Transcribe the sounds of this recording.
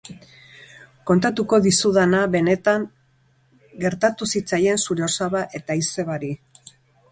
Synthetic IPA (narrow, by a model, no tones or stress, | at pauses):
ko̞nt̪at̪uko̞ðisuðanaβe̞ne̞t̪aŋ | ɡe̞ɾt̪at̪usit͡saje̞nsuɾeo̞saβaʔe̞t̪aise̞βaɾi